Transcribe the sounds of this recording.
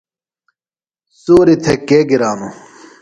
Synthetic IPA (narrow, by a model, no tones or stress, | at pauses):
suːɾit̪ʰekeɡiɾaːnu